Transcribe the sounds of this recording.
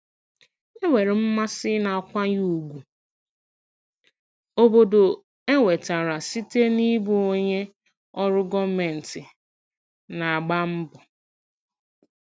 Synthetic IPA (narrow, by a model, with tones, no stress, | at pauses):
e˦wʷe˨ɾe˨m̩˦ma˦sɪ˦na˨kʷa˦ɲu˦u˨ɡʷu˨ | o˨bo˨do˨ | e˦ŋʷe˨ta˨ɾa˨si˦te˦ni˦bu˦o˦ɲe˦ | ɔ˦ɾʊ˦ɡɔ˦me˨n̩˨tɪ˨ | na˨a˨ɡ͡ba˦m̩˦bʊ˨